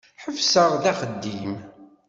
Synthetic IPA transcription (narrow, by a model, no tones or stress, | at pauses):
ħəvsəʁˤðæχəd̪ːim